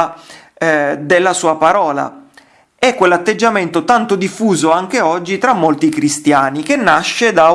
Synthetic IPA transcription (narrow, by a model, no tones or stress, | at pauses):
d̪elːasuːapaɾɔːla̰ | ɛkːwelːat̪ːed͡ʒːament̪ot̪ant̪od̪ifːuːzoaŋk̟eɔd͡ʒːit̪ɾamːolt̪ikɾist̪jaːnik̟enːaʃːed̪a